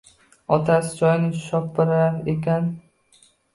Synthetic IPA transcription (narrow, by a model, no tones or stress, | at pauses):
ɒt̪ʰasɪ̥d͡ʒɒjnɪʃɒp̚bɪɾaaɾekʲan